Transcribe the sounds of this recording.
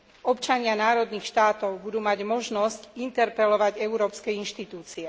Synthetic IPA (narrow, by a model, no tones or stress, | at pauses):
ɔpt͡ʃaɲɪanaːɾɔd̪niːxʃt̪aːt̪ɔʊbud̪uːmaɟmɔʒnɔscint̪ɛɾpɛlɔʋaɟɛuɾɔːpskɛinʃt̪it̪uːt͡siɛ